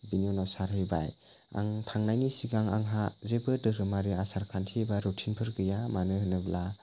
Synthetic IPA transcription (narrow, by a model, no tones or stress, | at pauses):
binjunɔsaɾhɯjba̰j | a̰ŋtʰaŋnajŋisiɡaŋa̰ŋɦazebɯdɯɾɯmaɾiasaɾkʰantʰibaɾutʰinpʰɯɾɡɯjamanɯhɯnɯbla